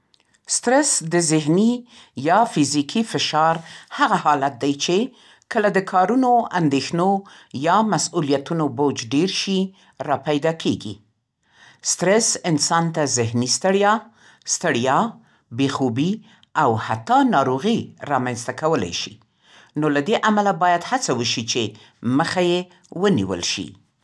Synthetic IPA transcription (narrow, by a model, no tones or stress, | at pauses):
st̪ɾɛsd̪əzɪɦni | jɑfizikʰifɪʃɑɾhaɣahɑlat̪̚d̪ajt͡ʃe | kəlad̪əkʰɑɾunoa̰nd̪exno | jɑmasulijat̪unobod͡ʒɖeɾʃi | ɾɑpajd̪ɑkʰeɡḭ | st̪ɾɛsɪnsɑnt̪azɪhnist̪əɽjɑ | st̪əɽjɑ | bexubi | awhat̪ːɑnɑɾoɣiɾɑmanst̪akawəla̰jʃḭ | nolad̪eʔamalabɑjad̪hat͡sawəʃit͡ʃe | məxaje | wənḭwə̰lʃḭ